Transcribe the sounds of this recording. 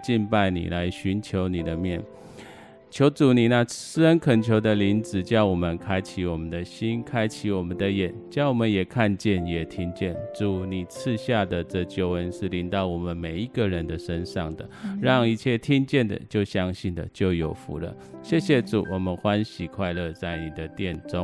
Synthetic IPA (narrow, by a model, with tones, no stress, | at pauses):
t͡ɕi˥˧npa˥˩ɪnḭ˨˩la˧˦ɪɕy˧˥nt͡ɕʰjo˧˥ʊni˨˩d̪ə˦mjɛ˥˩n | t͡ɕʰjo˧˥ʊʈ͡ʂu˨˩ni˨˩na˥˧sɹ̩˥˧ə˦nkʰə˨˩nt͡ɕʰjo˧˥ʊd̪ə˧li˧˥nt͡sɹ̩˨˩t͡ɕjɑ˥˩ʊwɔ˨˩mə˦nkʰa˥ɪt͡ɕʰi˧˥wɔ˨˩mə˦nd̪ə˨ɕi˥nkʰa˥ɪt͡ɕʰi˧˥wɔ˨˩mə˦nd̪ə˦jɛ˨˩nt͡ɕjɑ˥˩ʊwɔ˨˩mə˦njɛ˨˩kʰa˥˧nt͡ɕjɛ˥˩njɛ˨˩t̪ʰi˥ŋt͡ɕjɛ˥˩nʈ͡ʂu˨˩ni˨˩t͡s̩ʰ˥˧ɕja˥˩d̪ə˨ʈ͡ʂɤ˥˧t͡ɕjo˧˥ʊə˦nʂɻ̩˥˩li˧˥nt̪ɑ˥˩ʊwɔ˨˩mə˦nme˨˩ɪi˦˥ɡə˨ɻə˧˦nd̪ə˨ʂə˦nʂɑ˥˩ŋd̪ə̰˩ɻɑ˥˧ŋi˧t͡ɕʰjɛ˥˩t̪ʰi˥ŋt͡ɕjɛ˥˩nd̪ə̰˨˩t͡ɕjo˥˩ʊɕjɑ˥ŋɕi˥˩nd̪ə̰˩t͡ɕjo˥˩ʊjo˨˩ʊfṵ˧˦lə̰˦ | ɕjɛ˥˩ɕjɛ˨˩ʈ͡ʂṵ˨˩wɔ˨˩mə˦nxwa˦˥nɕi˨˩kʰwa˥˧ɪlə˥˧t͡sa˥˩ɪni˨˩d̪ə˦t̪jɛ˥˩nʈ͡ʂʊ˦ŋ